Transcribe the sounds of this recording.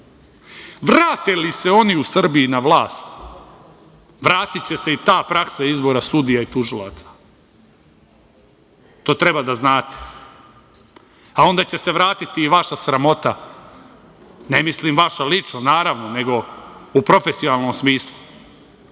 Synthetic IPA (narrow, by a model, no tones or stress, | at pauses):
ʋɾaːt̪elise̞o̞niusr̩biinaʋlˠaːst̪ | ʋɾaːt̪itt͡ɕe̞se̞it̪aːpɾaksaizbo̞ɾasud̪ijait̪uʒilˠat̪sḁ | t̪o̞ːt̪ɾe̞bad̪aznaːt̪e̥ | ao̞nd̪at͡ɕe̞se̞ʋɾaːt̪it̪iːʋaʃasɾamo̞t̪a | ne̞mislimʋaʃalit͡ʃnonaːɾaʋno̞ne̞ɡo̞upɾo̞fe̞sionalˠno̞msmiːslˠu